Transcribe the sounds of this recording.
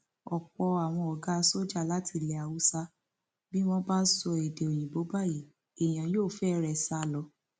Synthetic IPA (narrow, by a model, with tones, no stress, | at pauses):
ɔ˨k͡pɔ˧a˨w̃ɔ̃˧ɔ˨ɡa˦˧˦so˦d͡ʒa˦˨la˦tʰi˧˦lɛ˨a˨wu˨˦sa˦ | bi˦mɔ̃˦ba˦sɔ˧e˨de˨o˨j̃ĩ˨bo˨˦ba˦˨ji˨ | e˨j̃ã˨joː˦˨fɛ˦ɾɛ˧sa˧˦lɔ˧˦